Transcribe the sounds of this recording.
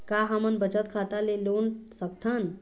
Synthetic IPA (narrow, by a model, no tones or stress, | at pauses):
kaɦəmənbət͡ʃət̪kʰat̪alelonsək̚t̪ʰən